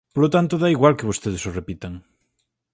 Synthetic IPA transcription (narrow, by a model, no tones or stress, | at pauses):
polot̪ant̪oðaiɣwalkeβost̪eðesorepit̪aŋ